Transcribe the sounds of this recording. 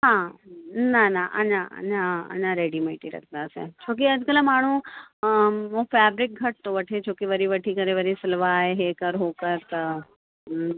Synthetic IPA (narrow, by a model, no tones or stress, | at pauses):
ɦãːnanaʔɐ̰naə̰nãɐ̰nãɾeːɖimeːʈiɾɐ̰kʰd̪asḛ̃t͡ʃʰoːk̬iɐd͡ʒkəlamaːɳ̤ũ | ʋõfɛːbɾɪk̚ɡʱɐʈ̚t̪oʋɐʈʰet͡ʃʰoːkiʋɐɾiʋɐʈʰikɐɾeʋɐɾisɪlʋaːɦeɦeːkɐɾɦoːkəɾt̪ɐ